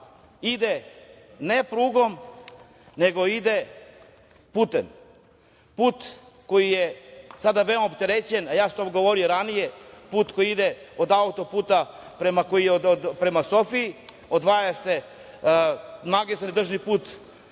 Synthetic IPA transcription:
id̪enepɾuːɡo̞m | neɡo̞id̪e | puːt̪em | puːt̪ | ko̞jijesad̪aʋeomopt̪e̞ɾet͡ɕenajaːso̥t̪o̞mɡo̞ʋo̞ɾijoɾanijepuːt̪ko̞jiid̪e | od̪aut̪o̞puːt̪apɾemakojijeood̪pɾe̞masofiː | od̪ʋaːjase̞ | maɡist̪anid̪r̩ʒnipuːt̪

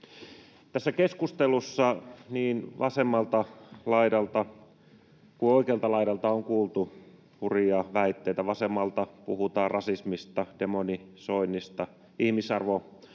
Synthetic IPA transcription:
t̪æsːækeskust̪elusːɑniːnʋʔɑsemːɑlt̪ɑlɑiɾɑlt̪ɑ | kuoikeɑlt̪ɑlɑiɾɑlt̪ɑoŋkuːlt̪u | huriɑʋæit̪ːeit̪æʋɑsemːɑlt̪ɑpuhut̪ɑːrɑsismist̪ɑd̥emonisoinːist̪ɑ | ihmisɑrʋo

